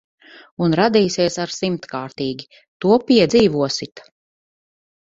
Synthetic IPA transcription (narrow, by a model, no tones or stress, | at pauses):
unɾad̪iːsiɛsaɾsimt̪kaːɾt̪iːɡʲi | t̪uɔpʲiɛd̪ziːvuɔsit̪